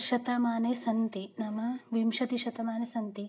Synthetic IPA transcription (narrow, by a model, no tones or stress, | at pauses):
ʃɐt̪ɐmaːnesɐnt̪inɐmɐʋimʃɐt̪iʃɐt̪ɐmaːnesɐnt̪i